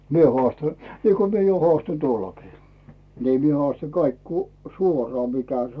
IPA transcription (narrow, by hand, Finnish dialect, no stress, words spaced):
mie hŏɑˑstɑ niːko mie jo hŏɑˑston tuolːokiː niː mie hŏɑˑstɑ kɑik ku suorŏɑˑ mikæ s